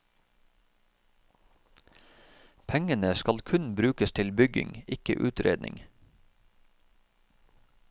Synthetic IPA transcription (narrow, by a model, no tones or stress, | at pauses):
pʰɛŋənəskɑlkʰʉnbɾʉːkəst̪ʰɪlbʏɡɪ̰ŋɪkə̰ʔʉːt̪ɾḛːd̪nʔɪ̰ŋ